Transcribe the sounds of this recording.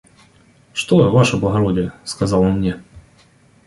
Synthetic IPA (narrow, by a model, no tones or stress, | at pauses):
ʂt̪ovaʂəblˠɣɐɾodʲɪjəskazɑlˠonmnʲɛ